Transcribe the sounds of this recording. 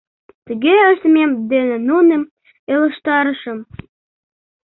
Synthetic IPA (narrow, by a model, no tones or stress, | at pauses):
t̪əɣeəʃt̪əmemd̪enĕnunem | elə̆ʃt̪ɑɾə̆ʃə̆m